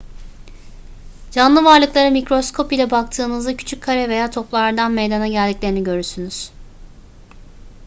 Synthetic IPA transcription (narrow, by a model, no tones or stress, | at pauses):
d͡ʒanlˠɯvaɾlˠɯklˠaɾɯmicɾo̞skʰo̞pilʲɛbak̚t̪ʰɯːnɯzd̪acʰy̥t͡ʃʰyckʰːaɾɛve̞jaːt̪ʰo̞plˠaɾd̪anmejd̪anaɟælʲd̪iclʲeɾiniɟø̞ɾysynyz̥